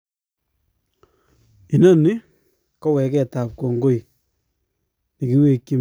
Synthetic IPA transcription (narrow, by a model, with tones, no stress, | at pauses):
i˨na˦nɪ˦ | kɔ˦wɛ˨kɛ˨ta˨p̚ko˨ŋɡo˦i˨ | ni˨ki˦we˦˨ki˦